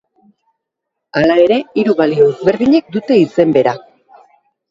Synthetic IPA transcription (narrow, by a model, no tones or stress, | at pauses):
alae̞ɾe̞iɾuβalioezβe̞ɾðiɲe̞k̚d̪ut̪e̞ise̞mbe̞ɾa